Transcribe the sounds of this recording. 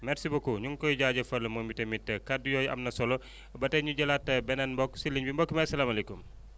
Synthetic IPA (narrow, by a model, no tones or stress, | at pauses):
mɛɾsibokuɲuŋkɔjɟaːɟɐfɐlːɐmɔːmitɐmitːɐkadujɔːjʔɐ̰mnɐsɔlɔ | bɐtɐɲuɟɐlatːɐbɛnɐnmbɔksilːiɲbimbɔkːimɐsɐlaːmɐlɛkum